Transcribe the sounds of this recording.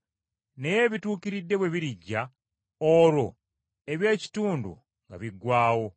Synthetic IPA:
ne̞je̞ːβituːkiɾidːe̞βwe̞βiɾiɟːa | oɾo̞ | e̞βje̞ːci̥tuːndṵ | ŋɡa̰βiɡwaːwo̞

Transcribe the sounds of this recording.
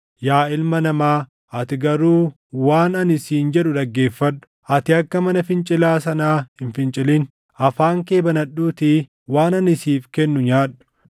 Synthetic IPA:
jaːɪlmɐnɐmaː | ʔɐt̪ɪɡɐɾuː | waːnɐnɪsiːnd͡ʒɛᶑʊᶑ̪ɐɡːe̞ːfːɐᶑːʊ̥ʔɐt̪ɪɐkːɐmɐnɐfɪnt͡ʃʼɪlaːsɐnaːhɪnfɪnt͡ʃʼɪlɪn | ɐfaːŋke̞ːbɐnɐɗuːt̪ɪ | waːnɐnɪsiːfkɛnːʊɲaːᶑʊ̥

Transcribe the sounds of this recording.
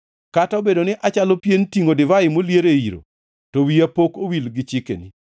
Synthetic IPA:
kataobedonɪʔat͡ʃalopjentiŋodɪvaɪmoljeɾeiɾo̰ | towiapokowilɡɪt͡ʃɪkḛni

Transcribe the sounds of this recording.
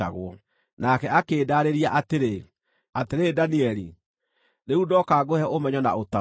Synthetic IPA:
a̰ɣwɔ | nakɛakeːdaɾeɾiaʔateɾe | ateɾedaniɛɾi | neudɔkaɡohɛʔomɛɲɔna̰ota

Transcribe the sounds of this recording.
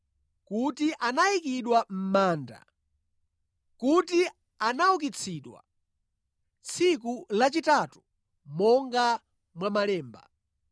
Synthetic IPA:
kutiʔanaikiɗwam̩maːnda̰ | kuti | anauk̬it͡sʰiɗwa̰ | t͡sʰik̬ulat͡ʃitatu̥ | mɔŋɡa | mwamalɛːmba̰

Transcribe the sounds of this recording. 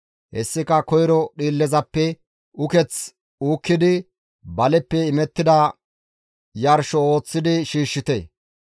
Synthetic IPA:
hɛsːɪkɐkɔjɾɔɗiːlːɛzɐpːɛ | ʊkɛt͡s | uːkːɪd̪ɪ | bɐlɛpːɛɪmɛt̪ːɪd̪ɐ | jɐɾʃɔo̞ːt͡sːɪd̪ɪʃiːʃːɪt̪ḛː

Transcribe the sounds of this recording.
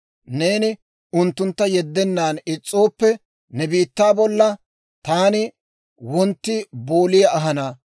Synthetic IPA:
neːnɪ | ʊnt̪ːʊnt̪ːɐjɛd̪ːɛnːaːnɪt͡sʼːo̞ːpːɛ | nɛbiːt̪ːaːbɔlːɐ | t̪aːnɪ | wɔnt̪ːɪboːlɪjɐɐɦɐnɐ

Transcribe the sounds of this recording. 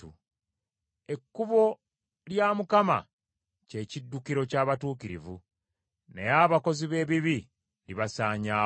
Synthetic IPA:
u | e̞kːuβo̞ | ljamukama̰ | ce̞ːcidːukiɾo̞caːβatuːkiɾḭvu | ne̞jaβako̞ziβe̞ːβiβi | liβasaːɲaː

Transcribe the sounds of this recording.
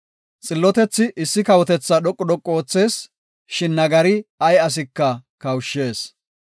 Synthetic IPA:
t͡sʼɪlːɔt̪ɛt͡sːɪʔɪsːɪkɐwɔt̪ɛt͡sːɐɗ̪ɔkʼːɔd̪ɔkʼːo̞ːt͡sːe̞ːs | ʃɪnːɐɡɐɾɪɐjɐs̬ɪkːɐkɐwʃːe̞ːs

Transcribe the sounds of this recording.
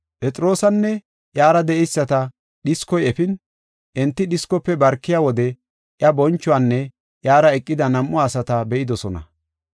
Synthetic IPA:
pʼɛt͡sʼɾo̞ːsɐnːɛ | ʔjaːɾɐd̪ɛʔɛjsːɐt̪ɐ | ɗɪskɔjɛfɪn | ʔɛnt̪ːɪɗɪskɔpːɛbɐɾkːɪjaːwɔd̪ɛ | ʔjɐbɔnt͡ʃːʊanːɛ | ʔjaːɾɐɛkʼːɪd̪ɐnɐmʔːʊaːsɐt̪ɐbɛʔɪd̪ɔsɔnɐ̰

